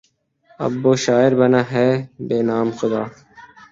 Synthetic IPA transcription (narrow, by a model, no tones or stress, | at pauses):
ɐ̰bːoːʃaːɪɾbɐnaːɦɛːbeːnaːmxʊd̪aː